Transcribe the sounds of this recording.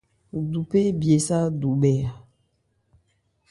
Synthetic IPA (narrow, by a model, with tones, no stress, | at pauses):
du˨pe˦bi˨e˨sa˦du˨bɛ˨a˨